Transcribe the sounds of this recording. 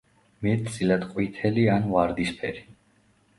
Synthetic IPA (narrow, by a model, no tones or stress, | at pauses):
mɛt̪̚ʰt̪sʼilad̪qʼwit̪ʰɛlianvaɾd̪ispʰɛɾi